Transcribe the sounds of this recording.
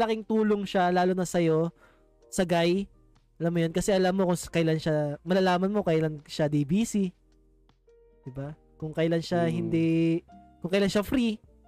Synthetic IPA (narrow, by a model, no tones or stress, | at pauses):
lɐkɪŋt̪uːloŋʃalaːlonɐsɐjo̞ | sɐɡaj | ʔɐlamːojonkɐsɛʔɐlamːokʊŋkɐjlanʃamɐlɐlaːmɐnmo̞kɐjlaŋʃad̪ibiːsi | d̪̥ɪba | kʊŋkɐjlanʃahɪnd̪i | kʊŋkɐjlanʃafɾi